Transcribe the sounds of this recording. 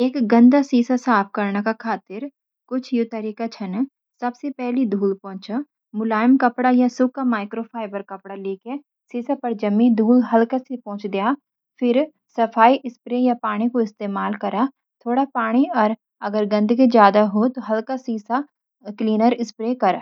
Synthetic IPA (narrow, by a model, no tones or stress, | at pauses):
eːkɡə̃nd̪asiːsasaːp̚ʰkəɾnakakʰaːt̪ɪɾ | kʊt͡ʃʰjot̪əɾiːkat͡ʃʰɐn | sɐbsepɛɦlid̪ʱuːlpɔ̃ːt͡ʃa | mʊlaːjmkɐpɽajasʊkamaːɪkɾoːpʰaːɪbəɾkɐpɽaleːke | siːsapɐɾd͡ʒɐmːĩd̪ʱuːlɦɐlkasepɔ̃ːt͡ʃd̪ɪjaː | pʰɪɾ | sɐpʰaːiʔɪspɾejaːpaːɽ̃ikoɪst̪eːmaːlkɐɾaː | t̪ʰoːɽapaːɽ̃iɔɾ | ɐɡəɾɡə̃nd̪ked͡ʒjaːd̪aɦot̪oɦɐlkasiːsa | kliːnəɾɪspɾekəɾa